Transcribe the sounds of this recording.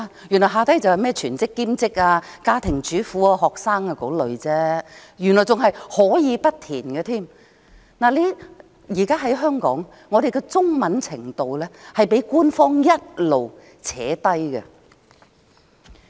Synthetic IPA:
a˧jy˨˩nlɔ˨˩ɦaː˨˧t̪ɐ˥jt͡sɐ˨whɐ˨jmɛː˥t͡ʃʰyː˨˩nt͡sɪ˥kːiː˥mt͡sɪ˥k̚aː˧kaː˥t̪ʰɪ˨˩ŋt͡ʃyː˨˥fuː˨˥aː˧ɦɔː˨k̚saː˥ŋaː˧ko˨˥wlɵ˨˧ɥt͡sɛː˥jy˨˩nlɔ˨˩t͡sʊ˨ŋɦɐ˨jhɔː˨˥jiː˨˧pɐ˥t̚t̪ʰiː˨˩nɡə˧t̪ʰiː˥˩m | naː˨˩le˨˧ | jiː˨˩kaː˥ɦɐ˨˥jɦœː˥ŋkɔ̰ː˨˥ŋː | ɔː˨˧d̪e˨jkɛ˧t͡sʊ˥ŋmɐ˨˥nt͡sʰɪ˨˩ŋt̪o˨wlɛː˥hɐ˨jpe˨˥jkuː˥nfɔː˥ŋjɐ˥t̚lo˨w | t͡sʰɛː˨˥t̪ɐ˥jkɛ̰˧

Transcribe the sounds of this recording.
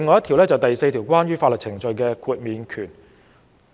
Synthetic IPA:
ŋɔː˨˧jɐ˥t̪ʰiː˨˩wlɛː˥t͡sɐ˨wt̪ɐ˨jse˧jt̪ʰiː˨˩wkʷaː˥nɥyː˥faː˧tlɵ˨t̚t͡sʰɪ˨˩ŋt͡ʃɵ˨˧ɥkɛː˧kʰuː˧t̚miː˨˧nkʰyː˨˩n

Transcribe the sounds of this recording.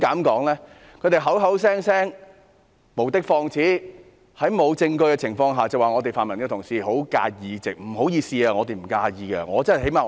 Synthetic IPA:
kaː˨˥mkɔː˨˥ŋlɛː˥ | kʰɵ˨˧t̪e˨˩jɦɐ˨˥wɦɐ˨˥ws̬ɛː˥ŋsɛː˥ŋ | mo˨˩wt̪ɪ˥k̚fɔː˧ŋt͡sʰiː˨˥ | hɐ˨˥jmo˨˧wt͡sɪ˧ŋkɵ˧ɥkɛ˧t͡sʰɪ˨˩ŋfɔː˧ŋɦaː˨t͡sɐ˨waː˨ŋɔː˨˧t̪e˨˩faː˨nmɐ˨˩nkɛː˧t̪ʰʊ˨˩ŋsiː˨˧ɦo˨˥wka̰ː˧jiː˨˧t͡sɪ˨k̚m̩˨˩ho˨˥wjiː˨˧siː˧aː˧ŋɔː˨˧t̪e˨jm̩˨˩kaː˧jiː˨˧kɐ˧ŋɔː˨˧t͡sɐ˥n˨˩ɦe˨˥jmaː˨

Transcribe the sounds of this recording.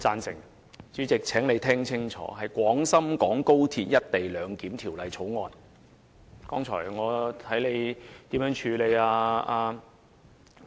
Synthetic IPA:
t͡saː˧nsɪ̰˨˩ŋ | t͡syː˨˥t͡sɪ˨k̚t͡sʰɛː˨˥ŋle˨˧jt̪ʰɛː˥ŋt͡sʰɪ˥ŋt͡ʃʰɔ̰ː˨˥ɦɐ˨jkʷɔː˨˥ŋsɐ˥mkɔː˨˥ŋko˥wt̪ʰiː˧t̚jɐ˥t̚t̪e˨˩jlœː˨˧ŋkiː˨˥mt̪ʰiː˨˩wlɐ˨jt͡sʰo˨˥wŋɔː˨˧n | kɔː˥ŋt͡ʃʰɔ̰ː˨˩jŋɔː˨˧t̪ʰɐ˨˥jle˨˧jt̪iː˨˥mjœː˨˥ŋt͡ʃʰyː˨˧le˨˧jaː˧aː˧

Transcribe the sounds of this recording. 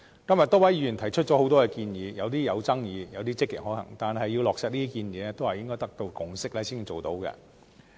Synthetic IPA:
kɐ˥mjɐ˨t̪̚ɔː˥wɐ˨˥jyː˨˧˥jy˨˩nt̪ʰɐ˨˩jt͡ʃʰɵ˥t̚t͡ʃɔː˨˥ho˨˥wt̪̬ɔː˥kɛ˧kiː˧njiː˨˧jɐ˨˧wt̪iː˥jɐ˨˧wt͡sɐ˥ŋjiː˨˧jɐ˨˧wt̪iː˥t͡sɪ˥kːɪ̰˨k̚ɦɔː˨˥hɐ˨˩ŋt̪aː˨nɦɐ˨jːi˧wlɔː˨k̚sɛː˧t̚liː˥t̪iː˥kiː˧njiː˨˧nɛ˥t̪o˥whɐ˨jɪ˥ŋkɔː˥jt̪ɐ˥k̚t̪o˧wkʊ˨ŋsɪ˥k̚lɛː˥siː˥n˨˧t͡ʃo˨wt̪o˨˥wkɛ̰˧

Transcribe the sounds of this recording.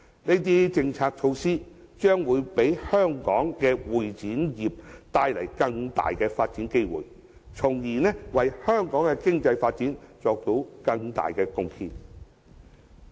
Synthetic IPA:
ne˥˧˥jt̪̬i˥t͡sɪ˧ŋt͡sʰaː˧k̚t͡ʃʰo˧wsiː˥t͡ʃœː˥ŋwuː˨˧jpe˨˥jhœː˥ŋkɔ̰ː˨˥ŋkɛ˧wuː˨jt͡siː˨˥njiː˨p̚t̪aː˧jlɐ˨˩jkɐ˧ŋt̪a̰ː˨jkɛː˧faː˧t̚t͡siː˨˥nke˥jwṵː˨˩j | t͡sʰʊ˨˩ŋjiː˨˩nɛ˥wɐ˨jhœː˥ŋkɔː˨˥ŋkɛ˧kɪ˥ŋt͡sɐ˧jfaː˧t̚t͡siː˨˥nt͡sɔː˧k̚t̪o˧˥wkɐ˧ŋt̪a̰ː˨jkɛː˧kʊ˧ŋhʰḭː˧n

